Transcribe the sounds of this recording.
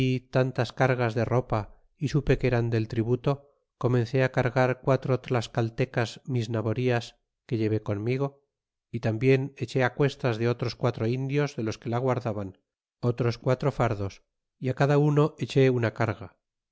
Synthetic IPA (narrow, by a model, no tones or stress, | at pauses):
it̪ant̪askaɾɣazðe̞ro̞pa | isupekeɾand̪e̞lt̪ɾiβut̪o̞ | ko̞mẽ̞nθe̞akaɾɣaɾkwat̪ɾot̪ɾolaskalt̪e̞kazmiznaβo̞ɾias | ke̞ʎe̞βe̞ko̞nmiɣ̞o̞ | it̪ambje̞ne̞t͡ʃe̞akwe̞st̪azðe̞o̞t̪ɾo̞skwat̪ɾo̞ind̪jo̞zðe̞lo̞ske̞laɣ̞waɾðaβan | o̞t̪ɾo̞skwat̪ɾo̞faɾðo̞s | iakaðauno̞ʔe̞t͡ʃe̞unakaɾɣa